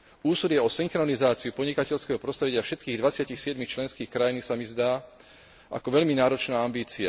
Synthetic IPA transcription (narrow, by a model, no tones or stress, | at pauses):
uːsɔd̪jɛɔsiŋxɾɔnizaːt͡siupɔdɲikacɛʎskɛɦɔpɾɔst̪ɾɛɟɪafʃɛt̪̚kiːɣd̪ʋat͡sɪacixsɪɛd̪mixt͡ʃlɛnskiːxkɾajinisamizd̪aː | a̰kɔʋɛʎminaːɾɔt͡ʃnaːambiːt͡sia